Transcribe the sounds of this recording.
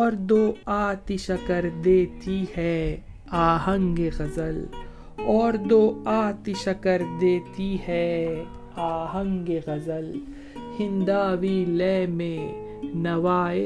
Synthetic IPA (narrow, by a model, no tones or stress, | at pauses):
ɔːɾd̪oːaːt̪ɪʃɐkəɾd̪eːt̪ihɛː | aːɦə̃ŋɡeɣɐzəl | ɔːɾd̪oːaːt̪ɪʃɐkəɾd̪eːt̪iɦɛː | aːɦə̃ŋɡeɣɐzəl | hɪ̃nd̪aːʋilɛːmẽ | nɐʋaːe